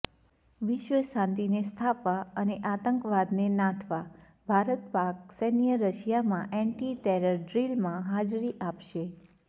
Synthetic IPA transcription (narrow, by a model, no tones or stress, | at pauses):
ʋɪʃʋəʃãnt̪inest̪ʰapaəneʔat̪əŋkəʋad̪nenãt̪ʰʋa | bʱaɾət̪paksenjəɾəʃjamãʔɛɳʈiʈeɾəɾɖɾilmãɦad͡ʒɾiʔapʃe